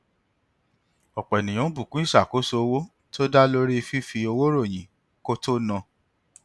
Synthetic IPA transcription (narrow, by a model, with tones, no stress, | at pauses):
ɔ˨k͡pɛ˨nĩ˨ɔ̃˨˦bu˨kũ˨˦i˦˨sa˨ko˦so˧o˧wo˦ | to˦da˦lo˦ɾi˦˧fi˦fi˧o˧wo˦ɾo˦˨j̃ĩ˨ | ko˦to˦nã˧